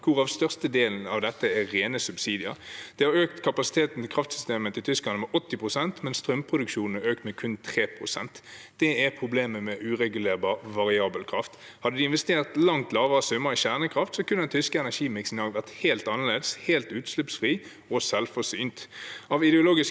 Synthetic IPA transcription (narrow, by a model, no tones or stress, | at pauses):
kʰʊʁɑʋst̪œʁst̪əd̪eːln̩ɑʋd̪ɛt̪ːəɛʁeːnəsʉbsiːd̪ɪɑ̰d̪̥ɛhɑʁøːk̚t̪kʰɑpɑsɪ̥t̪ʰeːt̪n̩t̪ɪkʰʁɑft̪sʏ̥st̪eːmət̪ɪlt̪ʰʏsklɑnəmɛʔɔt̪ːɪpʁʊsɛnt̪mɛnst̪ʁœmpʰʁʊd̪ʉkʃuːnn̩ɛøːk̚t̪mɛkʰʉnt̪ʰʁeːpʰʁʊsɛnt̪ | d̪̥ɛæpʰʁʊbleːməmɛʔʉːʁɛɡʉleːʁbɑʁʋɑʁɪɑːbəlkʰʁɑft̪ | hɑd̪ːəd̪ɪɪnʋɛst̪eːʁt̪lɑŋt̪lɑːʋəʁəsʉmːəiçæʁnəkʰʁɑft̪sɔkʰʉnːəɛnt̪ʰʏskəɛnæʂiːmɪksɪnɑːɡʋæʁt̪heːlt̪ɑnːəleːd̪əsheːlt̪ʉːt̪slʉpsfʁiː | ɔsɛlfɔʁsyːnt̪ɑʋɪd̪ɛʊloːɡɪs